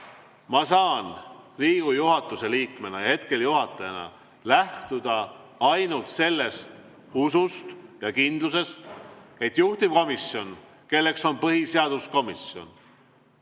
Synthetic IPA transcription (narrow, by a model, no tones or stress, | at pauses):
mɑsɑːnriːɡ̥ujuɦɑt̪ːˑuse̞liːkme̞nɑɑhe̞t̪ke̞ljuɦɑt̪ːˑɑjɑnɑ̰ | læht̪ud̪̥ɑ | ɑjnult̪se̞lːe̞st̪ | usust̪jɑkind̪̥luse̞st̪e̞t̪ːˑjuht̪imko̞misjo̞n | ke̞lːe̞kso̞npɤɦiseɑd̪̥usko̞misjo̞̰n